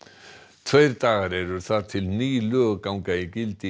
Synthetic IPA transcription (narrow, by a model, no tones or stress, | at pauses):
t̪ʰvœjɾt̪aːɣaɾɛɾʏɾθat̪ʰːɪlniːløkawŋkaikɪlt̪i